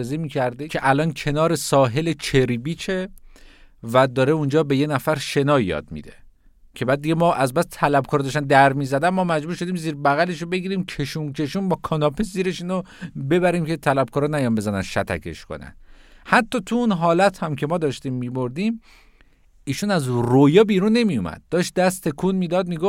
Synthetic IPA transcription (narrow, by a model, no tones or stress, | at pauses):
zemiːcʰæɾd̪ekʰe̞ʔælʔɒːncʰe̞nɒːɾe̞sɒːɦe̞let͡ʃʰeɾibiːt͡ʃʰe̞ | væd̪ɒːɾeund͡ʒɒːbe̞jenæfæɾʃe̞nɒːjɒ̰ːd̪̚mḭd̪e̞ | cʰe̞bæːd̪̚ːiɟemɒːʔæzbæst̪ʰælæbkʰɒːɾd̪ɒːʃt̪ænd̪æɾmiːzæd̪ænmɒːmæd͡ʒbuːɾʃo̞d̪iːmziːɾbæɣæle̞ʃobe̞ɡiːɾiːmcʰe̞ʃunkʰe̞ʃuːmbɒːkʰɒnɒːpʰesziːɾeʃinobe̞bæɾiːmcʰe̞t̪ʰælæb̚kʰɒːɾɔnæjɒnmbe̞zænænʃæt̪ʰæ̰kʰe̞̰ʃkʰo̰næ̰nhæt̪ʰːɒːt̪ʰuunɦɒːlæt̪hæmcʰe̞mɒːd̪ɒːʃt̪iːmːiːboɾd̪im | iːʃunæzrojɒːbiːɾunːe̞mijumæ̰d̪̥̚ːɒːʃt̪̚d̪æst̪ʰe̞kʰunmiːd̪ɒd̪̚miːɡof